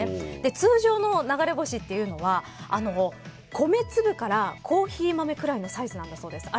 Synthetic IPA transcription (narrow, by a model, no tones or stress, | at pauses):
ed̪̥e̞t͡sɨːʑo̞ːno̞naɡaɾe̞bo̞ɕit̪ːe̞jɯ̟no̞βa | ano̞ | kʰo̞me̞t͡sɨbɯ̟kaɾakʰo̞ːçiːmame̞kɯ̟ɾaino̞saizɨnãnd̪aso̞ːd̪e̞sɨ̥a